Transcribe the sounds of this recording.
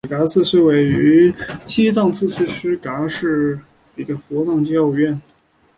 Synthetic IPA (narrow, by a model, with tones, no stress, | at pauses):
ka˧˥sʰɹ̩˥˧ʂe˥we˨˩ɪy˧˥t͡ɕʰi˥t͡sɑ˥˧ŋt͡sʰɹ̩˥˧ʂʰy˥˩ʂ̩ʰ˥ka˧˥ʂɻ̩˥˩ | i˧˥ɡə˧fɔ˧˥nɑ˥˩ŋt͡ɕɛ˥o˥˧ʊɥɛ˥˩n